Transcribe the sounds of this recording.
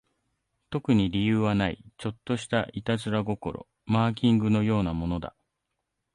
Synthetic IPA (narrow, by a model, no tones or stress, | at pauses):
t̪o̞kɯ̟ɲ̟iɾʲijɯːβanaḭt͡ɕo̞t̪ːo̞ɕi̥t̪aʔit̪azɨɾaɡo̞ko̞̰ɾo̞̰ | maːk̬ʲĩŋɡɯ̟no̞jo̞ːnamo̞no̞d̪a̰